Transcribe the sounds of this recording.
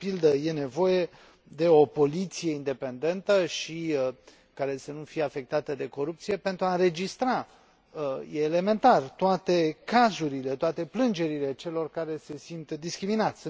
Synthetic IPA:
pild̪əje̞ne̞vo̞je̞ | d̪e̞o̞po̞lit̪sije̞ind̪e̞pe̞nd̪e̞nt̪əʃi | kaɾe̞sənufijeafe̞k̚t̪at̪əd̪e̞ko̞ɾup̚t̪sije̞pe̞nt̪ɾuaɨnɾe̞d͡ʒist̪ɾa | əjeːle̞me̞nt̪art̪oat̪e̞kazuɾile̞t̪oat̪e̞plɨnd͡ʒe̞ɾile̞t͡ʃe̞lo̞rkaɾe̞se̞sint̪d̪iskɾiminat̪sʲ

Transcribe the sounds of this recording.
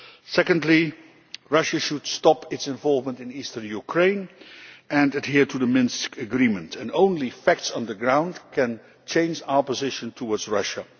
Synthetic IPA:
sɛkə̃ndˡli | ɹʌʃəʃud̥stɑpʰɪtsɛ̃ɱvɔlˠvmə̃ntɨ̃nistə˞njukʰɹẽɪ̃n | ɨ̃nɨdhiɹtʰuðəmɪ̃nskɨɡɹimə̃ntʰɨ̃nõʊ̃nlifæk̚tsn̩ðəɡɹãʊ̃ndkʰɨ̃n | t͡ʃʰẽɪ̃nd͡ʒaʊə˞pəzɪʃə̃ntʰəwɔɹdzɹʌʃə

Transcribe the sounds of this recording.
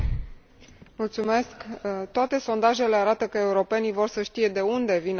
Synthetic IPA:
mult̪sume̞skt̪oat̪e̞so̞nd̪aʒe̞le̞aɾat̪əkəe̞uɾo̞pe̞nijvo̞rsəʃt̪ije̞d̪e̞und̪e̞vin

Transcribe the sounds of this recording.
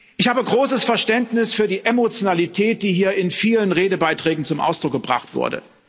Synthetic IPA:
ʔɪçhaːbəɡʁoːsəsfɛɐʃtɛntnɪsfyːɐdiːʔemot͡sjonalitʰɛːt̚d̥iːɦiːɐɪnfiːlənʁeːdəbaɪtʁ̥ɛːɡŋ̩t͡sʊmʔa̰ʊsd̥ʁʊk̚ɡ̥əbʁa̰χtv̥ʊ̰ɐdə̰

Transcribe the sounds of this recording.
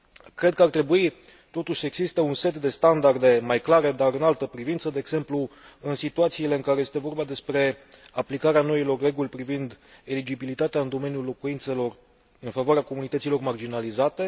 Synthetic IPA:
kɾe̞d̪̚kəart̪ɾe̞bui | t̪o̞t̪uʃʲsəeɡzist̪e̞unse̞t̪d̪e̞st̪and̪ard̪e̞majklaɾe̞d̪aɾɨnalt̪əpɾivint̪səd̪e̞ːɡz̥e̞mplu | ɨnsit̪uat̪siːle̞ɨŋkaɾe̞je̞st̪e̞vo̞rbad̪e̞spɾe̞aplikaɾeano̞ilo̞rːe̞ɡulʲpɾivind̪e̞lid͡ʒibilit̪at̪eaɨnd̪o̞me̞njulːo̞kuint̪se̞lo̞r | ɨnfavoaɾeako̞munit̪ət̪silo̞rmard͡ʒinalizat̪e̞

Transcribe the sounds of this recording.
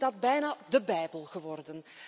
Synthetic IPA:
dɑd̚bɛjnaːdəbɛjbəlˠɣəʋɔrdən

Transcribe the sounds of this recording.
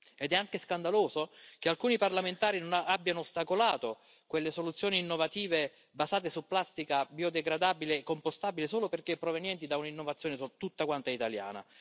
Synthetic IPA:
ɛd̪ɛaŋkeskand̪aloːzokealkuːniparlament̪aːɾinonaabːjanost̪akolaːt̪o | kwelːesolut̪sːjoːniːnːovat̪iːve | bazaːt̪̬esupːlast̪ikabiod̪eɡɾad̪aːbileːkːompost̪aːbilesoːloperkepːɾovenjɛnt̪̬id̪aunainːovat̪sːjoːnesut̪ːut̪ːakwant̪aɛit̪alja̰ːna̰

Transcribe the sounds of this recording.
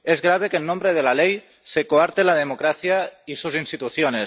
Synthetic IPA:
ezɣɾaβ̞ekenːõmbɾeð̞elalej | sekoaɾt̪elaðemokɾaθjaisuzinst̪it̪uθjone

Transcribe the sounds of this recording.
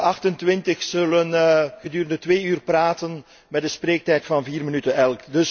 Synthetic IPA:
ɑxtəntʋɪntəxsɵlənɣədyːɾəndətʋeːyːrpraːtən | mɛt̚dəspreːk̚tɛjtfɑnviːrmənytənɛlˠkdɵs

